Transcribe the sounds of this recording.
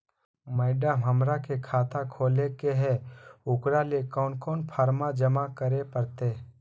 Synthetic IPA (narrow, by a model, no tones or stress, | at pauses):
mɛɪɖəmɦɐmɾakekʰaːt̪akʰoːlekeɦɛʊkɾalekɔːnkɔːnpʰaːɾmad͡ʒɐmakəɾepəɾt̪eː